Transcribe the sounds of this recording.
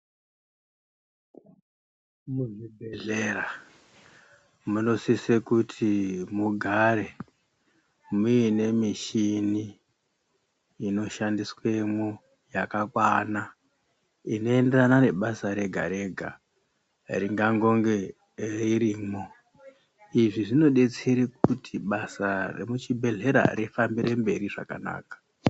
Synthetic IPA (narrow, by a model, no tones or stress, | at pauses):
muʐibʱeɮera | muno̞sisekutʰimuɡʱaɾe̞ | muine̞miʃini | no̞ʃandiswe̞mo | jakakwana | ino̞e̞nde̞ranane̞ɓasaɾe̞ɡʱa̰ɾe̞ɡʱa̰ | riŋɡaŋɡo̞ŋɡe | riɾiːmo | iʐiʐino̞ɗe̞t͡seɾek̚utʰiɓasarḛmut͡ʃibʱe̞ɮe̞ɾa̰ɾifambiɾe̞mbe̞ɾiʐa̰ka̰na̰ːkḁ